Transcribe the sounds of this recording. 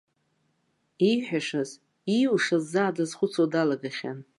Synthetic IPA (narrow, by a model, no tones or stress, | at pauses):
iħʷᶣaʂaz | iwuʂazːaːdazχʷʊt͡sʰodalaɡaχʲa̰n